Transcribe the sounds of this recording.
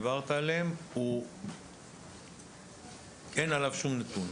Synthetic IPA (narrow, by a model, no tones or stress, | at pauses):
vaʁt̪aːleemu | e̞nalavʃumnat̪un